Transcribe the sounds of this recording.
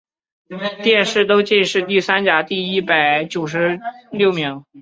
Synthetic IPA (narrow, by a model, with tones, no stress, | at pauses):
t̪jɛ˥˧nʂɻ̩˥˩t̪o˥ʊt͡ɕi˥˧nʂɻ̩˥˧t̪i˥˩sa˥nt͡ɕja˨˧˩t̪i˥˩i˥˩pa˨˩ɪt͡ɕjo˨˩ʊʂ̬ɻ̩˧˥ljo˥˩ʊmi˧˥ŋ